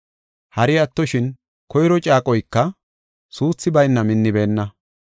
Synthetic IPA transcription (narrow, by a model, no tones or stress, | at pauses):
hɐɾɪɐt̪ːɔʃɪn | kɔjɾɔt͡ʃʼaːkʼɔjkːɐ | suːt͡sːɪbɐjnːɐmɪnːɪbe̞ːnːɐ